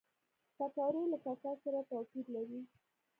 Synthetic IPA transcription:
kakɑɾolakasɑsaɾat̪apiɾlaɾi

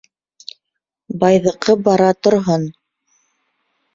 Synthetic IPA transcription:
bɑjðɤ̆qɤbɑɾɑt̪ŏɾɦon

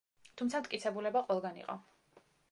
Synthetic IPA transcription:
t̪ʰumt̪sʰamt̪kʼit̪sʰɛbulɛbaqʼwɛlˠɡanḭqʼɔ̰

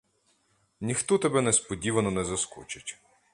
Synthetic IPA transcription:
nʲixt̪ɔt̪ɐbɛnɛspɔdʲiʋɐnɔnɛzɐskut͡ʃɪtʲ

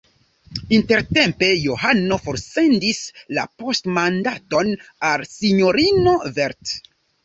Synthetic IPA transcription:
inte̞ɾte̞mpe̞joɦano̞fo̞ɾse̞ndisla̰po̞stmandato̞nalsiɲo̞ɾino̞veɾt

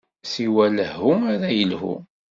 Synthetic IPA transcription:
siwæləhːʊmæɾæjəlhṵ

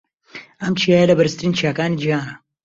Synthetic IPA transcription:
ɐmt͡ʃʰijaːjɐlɐbɐɾɨst̪ɾiːnt͡ʃʰiaːkaːnid͡ʒiɦaːnɐ

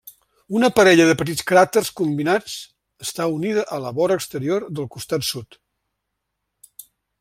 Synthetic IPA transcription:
unəpəɾɛʎəðəpət̪itt͡skɾat̪ərskumbinat͡s | əst̪auniðəʔələβɔɾəkst̪əɾiorðəlˠkust̪at̪sut̪

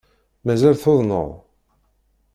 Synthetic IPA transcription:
mæzælθoðˤnə̰ðˤ

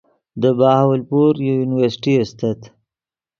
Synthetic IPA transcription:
d̪əbɑhawlpoɾjojunɪwəɾsʈiast̪at̪

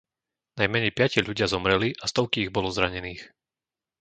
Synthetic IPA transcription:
najmɛɲɛjpɪacɪaʎuɟɪazɔmɾɛliʔast̪ɔʊkiːɣbɔlɔzɾaɲɛniːx

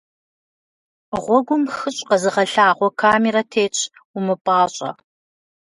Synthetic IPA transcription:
ʁʷɔɡʷʊmxɨɕʼqɐzɨʁɐɬaːʁʷɔkʰaːmeɾɐtʰeːt͡ʃʼʰ | umɨpʼaːɕʼɐ̰

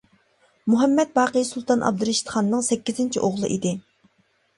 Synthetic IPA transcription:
muɦɛmːɛt̪̚bɑːqəjsulˠt̪ʰɑnʔɑ̰b̚d̪uɾɪʃt̪ʰχɑnːɨŋsɛkʲːizɪnt͡ʃʰiʔoʁlˠɨ̰ʔid̪ɪ

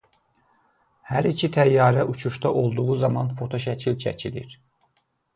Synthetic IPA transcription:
hæɾicʰit̪ʰæjːɑːɾæʔut͡ʃʰuʃt̪ɑʔo̞lˠd̪uʁuzɑmɑnfo̞t̪ʰo̞ʃæcʰilt͡ʃʰæ̰cʰilḭɾ

